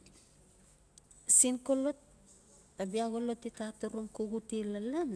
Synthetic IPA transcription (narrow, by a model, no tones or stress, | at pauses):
sinkolot̚ | abiaɣolo̞tːitatuɾuŋkuɡutilalan